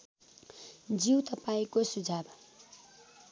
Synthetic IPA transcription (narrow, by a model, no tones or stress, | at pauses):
d͡ziwt̪ʌpaĩkosud͡zʱab